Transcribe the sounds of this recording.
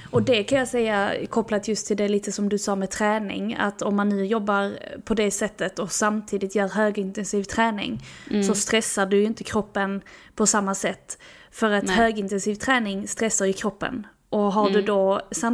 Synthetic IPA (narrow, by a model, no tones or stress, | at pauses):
ɔd̪ɛkʰanjɑːsɛjːakʰɔpːlat̪ʰjɵst̪ʰːɪld̪ɛliːt̪əsɔmd̪ɵsɑːmɛt̪ʰɾɛːnɪ̰ŋa̰t̪ɔmːanːʉ̟ːjɔbːaɾpʰɔd̪ɛsɛt̪ːət̪ɔsamt̪ʰiːd̪ɪt̪jœːɾɦøːɡɪnt̪ɛnsiːvt̪ʰɾɛːnɪ̰ŋsɔst̪ɾɛsːaɖɵjʏnt̪əkʰɾɔpːənpʰɔsamːasɛt̪ː | fœɾat̪høːɡɪnt̪ɛnsiːvt̪ʰɾɛːnɪŋst̪ɾɛsːaɾjɵkʰɾɔpːə̰n | ʔɔɦaɖɵd̪ɔsa